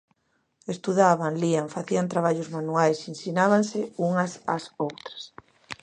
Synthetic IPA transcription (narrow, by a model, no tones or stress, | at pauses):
est̪uðaβanliaɱfaθiant̪ɾaβ̞aʎʊzmanuajsinsinaβansɪuŋɐsa̰sowt̪ɾɐ̥s